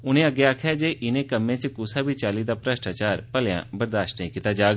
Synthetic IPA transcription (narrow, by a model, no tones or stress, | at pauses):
ʊnẽəɡjakʰɛd͡ʒeːʔɪnẽkəmːẽːt͡ʃkʊsabʱit͡ʃaːlid̪aːpɾəʃʈaːt͡ʃaːɾpəljã̰ːbəɾd̪aːʃʈẽkɪt̪ad͡ʒaːɡ